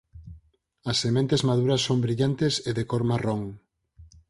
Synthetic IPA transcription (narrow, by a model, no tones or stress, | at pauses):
ɐsːemẽnt̪ezmaðuɾɐsːombɾiʎant̪eseðekoɾmaroŋ